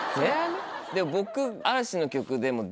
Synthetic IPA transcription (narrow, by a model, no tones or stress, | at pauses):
ed̪e̞mo̞bo̞kɯ̟aɾaɕino̞kʲo̞kɯ̟d̪e̞mo̞